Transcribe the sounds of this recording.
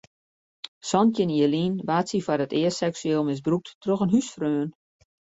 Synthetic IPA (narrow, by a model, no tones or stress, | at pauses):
sɔnjɪniəliːnʋaːtsifarətɪəsɛksyeːlˠmɪs̬bruk̚ttroxənɦysfrøːən